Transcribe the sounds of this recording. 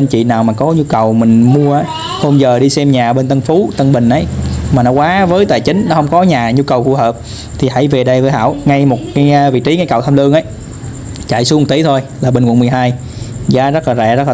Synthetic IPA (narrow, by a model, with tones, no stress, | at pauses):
ə˧nt͡ɕḭ˧˨naː˨˩wmaː˨˩kɔ˨˦ɲu˧kə˨˩wmï˨˩ŋ̟mu˧əʔaː˨˦ | ho˧wŋ͡mzəː˨˩ɗi˧sɛ˧mɲaː˨˩ɓe˧nt̪ə˧nfu˨˦t̪ə˧nɓï˨˩ŋ̟ʔə˨˦jmaː˨˩nɔ˨˦kwaː˨˦vəː˨˦jt̪a̰ː˨˩jt͡ɕï˨˦ŋ̟nɔ˨˦hə˧wŋ͡mkɔ˨˦ɲaː˨˩ɲu˧kə˨˩wfu˧˨həː˨˩p̚ | t̪ʰi˨˩ha̰˧˥jve˨˩ɗə˧jvəː˨˦ha̰ː˧˥˨wŋa˧jmo˨˩t̚kaː˨˦jvḭ˧˨t͡ɕi˨˦ŋa˧jkə˨˩wt̪ʰa˧mlɨ˧əŋʔə˨˦j | t͡ɕa̰˧˨jsu˨˦m̚˨˩t̪i˨˦t̪ʰo˧jlaː˨˩ɓe˧nkwə˧˨˩m˨˩əjɦaː˧j | zaː˨˦zə˦˥t̚laː˨˩zɛ̰˧˩zə˦˥laː˨